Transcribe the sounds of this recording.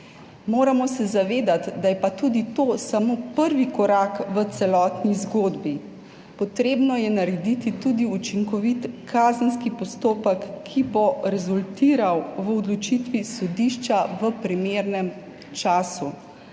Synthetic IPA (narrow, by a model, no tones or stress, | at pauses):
moːɾamɔsɛzaʋeːd̪at̪d̪ajɛpat̪ud̪it̪oːsamoːpəɾʋikɔɾaːkʋət̪sɛlɔːt̪nizɡoːd̪bi | pɔt̪ɾeːbnɔjɛnaɾɛd̪it̪it̪uːd̪iut͡ʃiŋkɔʋit̪kʰaːzənskipɔst̪oːpəkʰːiboɾɛzult̪iːɾawʋəɔd̪lɔt͡ʃit̪ʋisɔd̪iʃt͡ʃaʋəpɾimeːɾnɛm | t͡ʃaːsu